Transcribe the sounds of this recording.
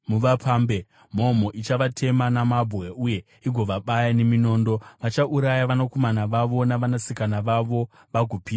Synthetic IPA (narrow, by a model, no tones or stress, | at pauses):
muʋapaːmbe̞ | m̤omoʔit͡ʃaʋatʰe̞manamabʱɣe̞uje̞ | iɡʱo̞ʋaɓajane̞mino̞ːndo̞ʋat͡ʃaʔuɾajaʋanako̞manaʋaʋo̞naʋanasikanaʋaʋo̞ | ʋaɡʱopiːa